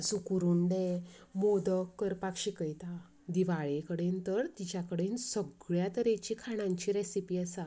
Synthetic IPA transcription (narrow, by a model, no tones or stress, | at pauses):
sukuɾuɳɖemod̪əkːəɾpakɕikəjt̪a | d̪iʋaɭekəɽent̪əɾt̪it͡ɕakəɽensəɡɭjat̪əɾet͡ɕikʰaɽ̃ãɲt͡ɕiɾɛsipiːasa